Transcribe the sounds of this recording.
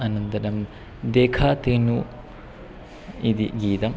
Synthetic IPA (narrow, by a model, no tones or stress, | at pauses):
ɐnɐnd̪ɐdɐm | d̪ekʰaːt̪enu | id̪iɡiːd̪ɐm